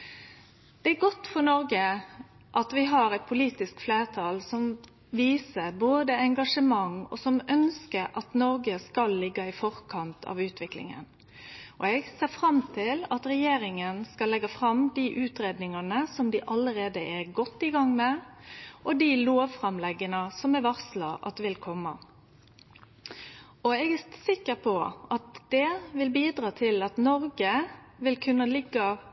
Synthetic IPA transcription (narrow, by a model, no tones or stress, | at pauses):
d̪̥ɛæɡɔt̪ːfɔɾnɔɾɡə | ʔɑt̪ʋɪɦɑɾɛt̪̚pʰʊliːt̪ɪskfleːɾt̪ʰɑːlsɔm | ʋiːsəɾboːd̪əɛŋɡɑʂəmɑŋɔ̰sɔmœnskəɾʔɑt̪nɔɾɡəskɑlːɪɡːɑɪfɔɾkʰɑnt̪ʰɑ̰ːʋʉːt̪ʰʋɪklɪ̰ŋə̰n | ʔɔɛɡseːfɾɑmt̪ʰɪlɑt̪ɾɛjeːɾɪŋənskɑlːɛɡːɑfɾɑmd̪iʔʉːt̪ɾeːd̪nɪŋɑnəsɔmd̪ɪʔɑləɾeːd̪əʔæɡɔt̪ːɪɡɑŋmɛ | ʔɔd̪iloːʋfʁɑmlɛɡənəsɔmɛʋɑʁslɑʔɑ̰t̪ʋɪlkʰɔmːɑ | ɔɛɡɛsɪkːəʁpʰɔʔɑt̪d̪̥ɛʋɪlbiːd̪ɾɑːt̪ʰɪlɑt̪nɔɾɡəʋɪlkʰʉnːəlɪɡːɑ